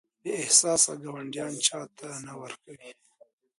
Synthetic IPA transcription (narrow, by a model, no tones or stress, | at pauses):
d̪əɪhsɑsa̰ɡawaɳɖjɑnt͡ʃɑt̪ʰanawəɾkawi